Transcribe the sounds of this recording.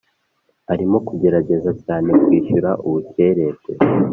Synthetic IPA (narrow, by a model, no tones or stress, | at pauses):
aɾimo̞kuɟe̞ɾaɟe̞zacaːne̞kwiːʃuɾaʔuβuce̞ɾe̞kḛ